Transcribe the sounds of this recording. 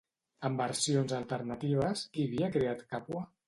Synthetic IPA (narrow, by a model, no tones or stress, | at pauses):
əmbəɾsionzəlˠt̪əɾnat̪iβ̞əsiβiəkɾeat̪kapwə